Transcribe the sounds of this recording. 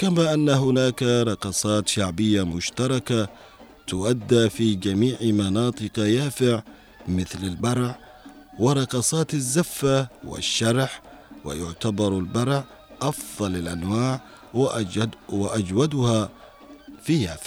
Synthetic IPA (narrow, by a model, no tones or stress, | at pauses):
kamaːʔanːaɦʊnaːkaɾˤɑqɑːsˤɑːt̪ʃaʕbɪjːamʊʃt̪ɑɾˤɑka | t̪ʊʔad̪ːafid͡ʒamiːʕmɑnɑːt̪ˤɨqɑjaːfɪʕ | mɪθlalbɑɾˤʕ | wɪɾˤɑqɑːsˤɑːt̪azːafːawɪ̰ʃːɑɾˤħ | wɪ̰jʊʕt̪abɑɾˤalbɑɾˤʕ | ʔɑfðˤɑlalʔanwaːʕ | waʔad͡ʒwad̪ʊha | fijaːfɪ̥ʕ